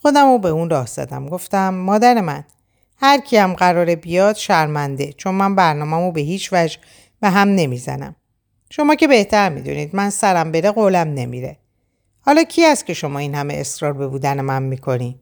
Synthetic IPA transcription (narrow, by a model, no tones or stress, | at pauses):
xo̞d̪æmobe̞uːnrɒːhz̥æ̰d̪æmɡo̞ft̪æmːɒːd̪æɾe̞mæn | hæɾcʰiæmɢæɾɒːɾebijɒːd̪̥ʃæɾmænd̪e̞t͡ʃʰo̞nmænbæɾnɒːmæmobe̞ɦiːt͡ʃʰvæd͡ʒ | beɦæmne̞mizæ̰næ̰m | ʃo̞mɒːce̞be̞ht̪ʰæɾmḭd̪ṵniːd̪mænsæɾæmbe̞ɾeɣoːlæmne̞mḭɾe̞̰ | hɒːlɒːcʰiæst̪̚cʰe̞ʃo̞mɒːinhæme̞̰ḛsɾɒːɾbe̞buːd̪æne̞mænmiːkʰo̞ni